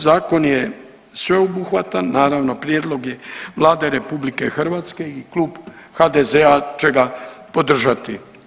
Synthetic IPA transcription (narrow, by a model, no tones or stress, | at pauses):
zaːko̞nje | sʋe̞obuxʋat̪anːaːɾaʋno̞pɾjed̪lˠo̞ɡje̞ʋlˠaːd̪eɾe̞publike̞xrʋat̪ske̞iklˠuːbxad̪ezeat͡ʃe̞ɡapo̞d̪r̩ʒat̪i